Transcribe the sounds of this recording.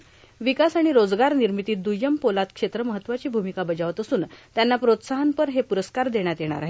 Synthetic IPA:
ʋikasaɽ̃iɾod͡zɡaɾniɾmit̪iːt̪̚d̪ujəmpolat̪kʂet̪ɾəməɦət̪ːʋat͡ɕiːbʱumikabəd͡ʑaʋət̪əsuːnt̪janːapɾot̪saɦənpəɾɦepuɾəskaɾd̪eɽ̃jat̪jeɽ̃a̰ɾa̰ɦe

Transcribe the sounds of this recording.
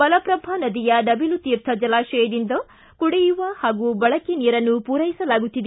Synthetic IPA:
bɐlɐpɾɐbʱɐnɐd̪ijɐɖɐbilut̪iːɾt̪ʰɐd͡ʒɐlaːʃɐjɐd̪ind̪ɐ | kuɽɛjuʋɐhaːɡubɐɭɐkenijɐɾɐnːupuːɾɐjisɐlaːɡut̪ːid̪

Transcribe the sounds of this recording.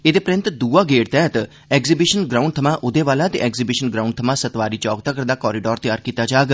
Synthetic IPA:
ed̪eːpɾɪ̃nt̪d̪uːaːɡeːɽt̪ɛːt̪ | ɛkzibɪʃənɡɾaːũɳɖ̚t̪ʰəmãːʔʊd̪eːʋaːlaːt̪ḛʔɛkzibɪʃənɡɾaũɳɖt̪ʰəmãːsət̪ʋaːɾiːt͡ʃɔːɡ̚t̪əkəɾd̪aːkɔːɾiɖɔːɾt̪əjaːɾkiːt̪ːaːd͡ʒaːɡ

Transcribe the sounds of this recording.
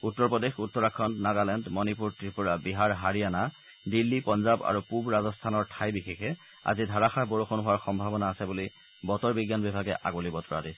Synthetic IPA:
utːɔɹpɔdexutːɔɹakʰːɔndnaɡalɛndmɔnipuɹtiɹpuɹabiɦaɹɦaɹijana | dilːipɔnzaba̰ɹupubɹazɔstʰanɔɹtʰajbixexɛ | a̰zidʱaɹaxaboɹuxɔnɦʊwaɹxɔmbʱabɔnaːsɛbuli | bɔtɔɹbiɡjanbibʱaɡɛ̰ʔa̰ɡulibɔtɔɹa̰dis

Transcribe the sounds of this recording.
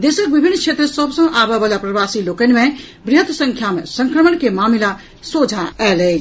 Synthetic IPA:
d̪esək̚bibʱinːkt͡ʃʰet̪ɾəsəbsə̃ʔabebalapɾəbasilokənĭme | bɾiɦət̪səŋkʰjamesəŋkɾəmənkemamila | sod͡ʒʱaɛlɛ

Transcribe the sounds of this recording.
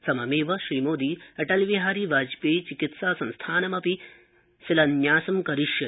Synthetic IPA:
sɐmɐmeːʋɐʃɾiːmoːd̪iːɐʈɐlʋiɦaːɾiʋaːd͡ʒpeːt͡ʃikit̪saːsɐ̃nst̪ʰaːnɐmɐpi | silɐnjaːsɐmkɐɾiʃjɐ

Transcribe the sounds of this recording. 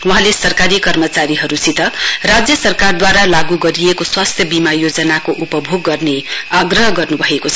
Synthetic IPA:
wuɦãlesʌrkaɾikʌrmʌt͡saɾiɦʌɾusit̪ʌrad͡zjʌsʌrkard̪waɾalaɡuɡʌɾiekoswast̪ʰjʌbimajod͡zʌnakoʔupʌbʱoɡːʌrneaɡrʌɦʌɡʌrnubʱʌekot͡sʰʌ

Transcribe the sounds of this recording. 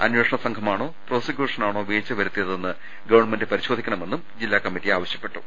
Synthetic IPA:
ɐ̰nweːʂɐɳɐsɐŋɡʰʱɐmaːɳo̞ːpro̞ːsɐkʲjuːʂɐnaːɳo̞ːʋeːt͡ɕːɐʋɐɾut̪ːijɐðenːɨ | ɡɐʋɐɳme̞ndɨpɐɾiɕo̞ːd̪ʱikʲːɐɳɐme̞nːumd͡ʑilːaːkɐmːitːiaːʋɐɕjɐpːe̞ʈːu

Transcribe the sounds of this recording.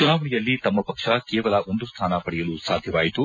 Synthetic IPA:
t͡ʃunaːʋɐɳijɐlːit̪ɐmːɐpɐkʂɐkɛːʋɐlɐʔo̞nd̪ust̪ʰaːnɐpɐɽɛjɐlusaːd̪ʱjɐʋaːjit̪u

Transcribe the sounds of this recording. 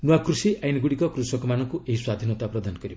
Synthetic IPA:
nuwakrusiʔajniɡuɽikʌkrusʌkɔmanʌŋkoʔeɦiswad̪ʱinot̪aprʌd̪ʱanɔkʌɾi

